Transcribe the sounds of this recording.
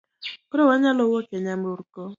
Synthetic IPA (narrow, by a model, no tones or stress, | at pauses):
koɾowaɲalowokeɲam̩ɾuɾukɔ